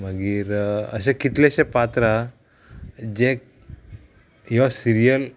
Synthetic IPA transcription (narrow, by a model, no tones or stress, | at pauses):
məɡiːɾə̰ɕẽkit̪leɕẽpat̪ɾa | d͡ʑek̚ | jɔsiɾijəl